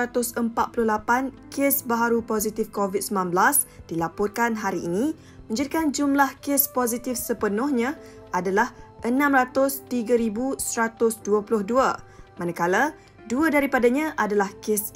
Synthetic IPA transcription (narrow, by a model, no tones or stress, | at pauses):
at̪ʊsəmpat̪̚pulʊhlapan | kʰesbaɦaɾupozit̪ɪfkovid̪̚səmlanblas | d̥ilapɔr̚kanɦaɾiʔːnĩ | mə̃ɲd͡ʒadikand͡ʒumlahkɪspozit̪ɪfsəpənʊhɲã | adalahʔənãmrat̪ʊst̪iɡaɾibusəɾat̪ʊsduapulʊhduamanakala | duadaɾipadaɲãʔadalahkɪs